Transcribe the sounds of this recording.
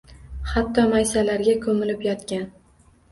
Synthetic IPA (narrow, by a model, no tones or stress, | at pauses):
hat̪ʰːɒmajsalaɾɡʲakʰɵmɪlɪpjɒt̪kʲan